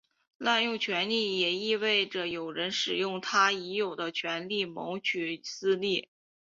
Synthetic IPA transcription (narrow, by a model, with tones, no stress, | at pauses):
la˥˧njʊ˥˩ŋt͡ɕʰɥɛ˧˥nli˥˩jɛ˨˩i˥˧we˥˩ɪʈ͡ʂə˩jo˨˩ʊɻə˧˥nʂɻ̩˨˩jʊ˥˩ŋt̪ʰa˥i˧˥jo˨˩ʊd̪ə˦t͡ɕʰɥɛ˧˥nli˥˩mo˧˥ʊt͡ɕʰy˨˩sɹ̩˥li˥˩